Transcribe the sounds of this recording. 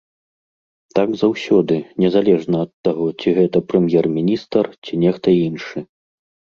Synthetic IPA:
t̪aɡzawsʲɔd̪ɨnʲɛzalʲɛʐnɐɐt̪ːaɣɔt͡sʲiɣɛt̪ɐpɾɛmʲjɛrmʲinʲist̪ɐrt͡sʲinʲɛxt̪ɐinʂɨ

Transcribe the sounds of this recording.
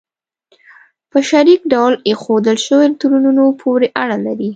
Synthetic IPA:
pəʃaɾikɖawlexod̪əlʃəwet̪uɾununopʰoɾeʔaɽalaɾi

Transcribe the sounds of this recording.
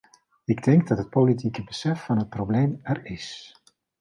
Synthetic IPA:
ɪɡdɪŋɡdɑtɦət̚polit̬ikəbəsɛfːɑnɦət̚prowbleːmɛrɪs

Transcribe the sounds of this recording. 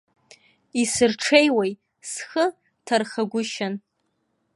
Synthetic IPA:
isɨrʈ͡ʂʰejwej | sχə | tʰarχaɡʷʊʃan

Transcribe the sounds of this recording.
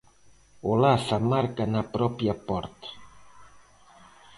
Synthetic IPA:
olasamaɾkanapɾɔpjapɔɾt̪ḁ

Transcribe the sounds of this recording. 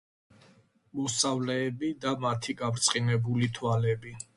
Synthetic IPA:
mɔsavlɛːbid̪amat̪ʰiɡavɾt̪sʼqʼinɛbulit̪ʰwalɛbi

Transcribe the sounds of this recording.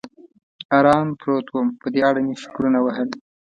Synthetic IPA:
ɑɾɑmpɾot̪wəmpəd̪eaɽaniʃʊ̥kɾunawəɦəl

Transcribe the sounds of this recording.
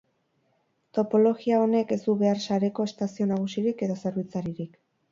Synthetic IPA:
t̪o̞po̞lo̞ɣiao̞ne̞ke̞zd̪uβe̞arsaɾe̞ko̞est̪asio̞naɣ̞usiɾike̞ðo̞se̞ɾβ̞it͡saɾiɾik

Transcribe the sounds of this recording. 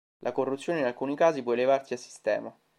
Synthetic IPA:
lʔakorːut̪sjoːneinalkuːnikaːzip̬wɔelevarsiasːi̥st̪ɛːma

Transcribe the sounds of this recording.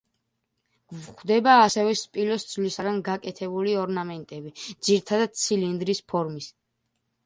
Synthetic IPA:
vχd̪ɛbaːsɛvɛspʼilɔsd̪zvlisaɡanɡakʼɛt̪ʰɛbuliɔɾnamɛnt̪ʼɛbid̪ziɾit̪ʰad̪ad̪̥̚t̪sʰilind̪ɾispʰɔɾmis

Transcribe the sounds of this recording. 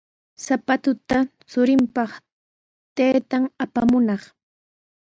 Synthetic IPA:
sapat̪ʊt̪a | t͡sʊɾɪmpɑχ | t̪ajt̪aŋapamʊnɑχ

